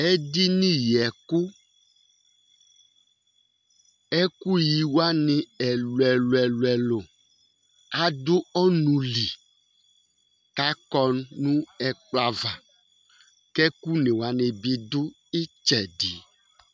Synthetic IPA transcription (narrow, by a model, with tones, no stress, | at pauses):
e˦di˦nĩ˦jɛ˨ku˦ | ɛ˦ku˦ji˨wo˦a˦nẽ˨ɛ˨lo˨ɛ˨lo˨ɛ˨lɛ˨lo˨ | a˨do˦ɔ˦nũ˨li˨ | ka˦kɔ˦nːũ˦ɛ˨k͡pla˨va˨ | kɛ˦ku˦nẽ˨wo˨a˦nẽ˨bi˦d̪ʊ˦ | i˦t͡ʃɛ˨di˨